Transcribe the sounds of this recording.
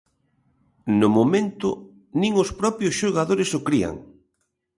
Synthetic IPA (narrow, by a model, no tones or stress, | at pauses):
nʊmomẽnt̪ʊ | nĩŋʊspɾɔpjʊsʃoɣaðoɾɪsʊkɾia̰ŋ